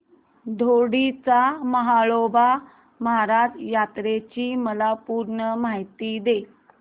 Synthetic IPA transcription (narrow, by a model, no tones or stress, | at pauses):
d̪ʱoɽit͡saməɦaɭoba | məɦaɾad͡ʑjat̪ɾet͡ɕiːməlapuɾɳəmaɦit̪iːd̪e